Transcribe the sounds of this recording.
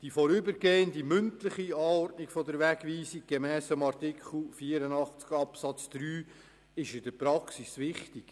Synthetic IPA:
d̥ifɔɾʏbəɾɡeːəndimʏntləχiɑːɔrtnikfɔdəɾʋɛɡʋiːsiɡ̥ɛmɛːsfəmɑrtɪkʰχl̩ˠfiːəɾənɑχt͡skɑpsɑt͡sd̪̥ɾyː | ɪʃɪdəɾpɾɑksisʋɪχtik

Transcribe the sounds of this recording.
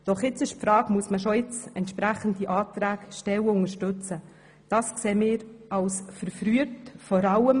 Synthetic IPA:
d̥ɔχɪt͡sɪʃpfɾɑːɡmuəsməʃɔɪt͡sɛntʃpɾæχəndiʔɑːtɾæːkʃtɛwəʊŋəɾʃtʏt͡sə | d̥ɑːskseːmɪːɾɑwsfəɾfɾyətfɔɾɑləm

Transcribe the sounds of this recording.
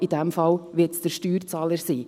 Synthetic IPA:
id̥ɛmfɑlʋɪtsd̥əɾʃtyːɾt͡sɑːləɾsiː

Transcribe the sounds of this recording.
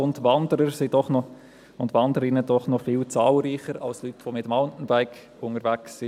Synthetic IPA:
ʊndʋɑndəɾəɾsid̥ɔχnɔ | ʊntʋɑndəɾɪnədɔχnɔfɪlt͡sɑːlɾiːχəɾɑ̰lslytʋomɪtəmɑltn̩bæɪk | ʊŋəɾvæksɪ

